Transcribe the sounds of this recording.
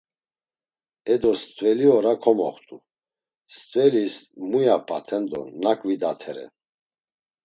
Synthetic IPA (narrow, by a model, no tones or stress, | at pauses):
ɛd̪ɔst̪ʼvɛliɔɾakʰɔmɔ̰χt̪ʼu | st̪ʼvɛlismujapʰʼat̪ʰɛnd̪ɔ̰nakʼvid̪at̪ʰɛɾɛ̰